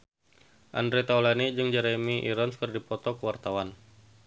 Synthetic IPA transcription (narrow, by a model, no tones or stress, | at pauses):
ʔa̰ndɾet̪awlanid͡ʒɨŋd͡ʒaɾemiʔḭɾɔnskərdipɔt̪ɔkəwart̪awan